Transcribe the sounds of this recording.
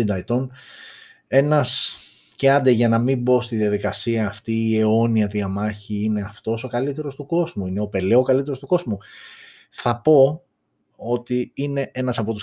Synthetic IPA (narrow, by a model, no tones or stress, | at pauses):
ind̪ɐit̪o̞n | e̞nɐs | ceɐnd̪eʝɐnɐmibo̞st̪iðiɐðikɐsiɐːft̪iːe̞o̞niɐt̪iɐmɐçiine̞ɐft̪o̞so̞kɐlit̪e̞ɾo̞st̪uko̞zmuine̞o̞pe̞leokɐlit̪e̞ɾo̞st̪uko̞zmu | θɐpo̞ | o̞t̪iine̞e̞nɐsɐpo̞t̪u̥s